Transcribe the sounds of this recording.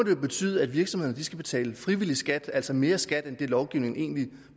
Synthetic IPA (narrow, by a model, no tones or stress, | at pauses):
ɒ̽d̥e̝jo̝b̥e̝t͡sʰy̰ːð̞ˠæd̥ʋiɐɡ̥sɒ̽mhe̝ðˠɐndisɡ̥æb̥e̝t͡sʰɛ̰ːləfʁiʋilisɡ̥æd̥æl̰sɒme̝ːɐsɡ̥æd̥end̥elɒʊɡ̥iʊne̝ŋe̝̰ːnli